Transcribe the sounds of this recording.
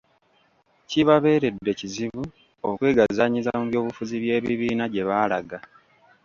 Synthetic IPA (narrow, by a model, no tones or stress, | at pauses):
ciβaβe̞ːɾe̞dːe̞ciziβu | okweːɡazaɲizamuβjo̞ːβufuziβje̞ːβiβiːnaɟe̞βaːlaɡa